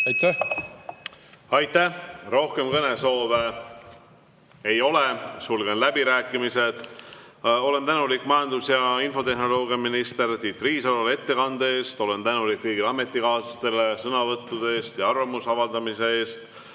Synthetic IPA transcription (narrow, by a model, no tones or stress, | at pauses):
ɑt̪æ | ɑjt̪ːæro̞hke̞mkɤne̞so̞ːve̞ | ejo̞le̞sulɡ̥e̞nlæbiɾæːkːˑimise̞d̪̥ | o̞le̞nt̪ænulikːmɑjɑnd̪usjɑinfo̞t̪e̞hno̞lo̞ːɡijɑminist̪e̞ɾt̪it̪ːˑriːsɑlole̞t̪ːe̞kɑnd̪eeːst̪o̞le̞nt̪ænulikːɤjɡileɑme̞t̪ːˑikɑːst̪e̞lesɤnɑvɤt̪ˑːud̪eeːst̪jɑɑrvɑmusɑvɑld̪ɑmise̞e̞ːst̪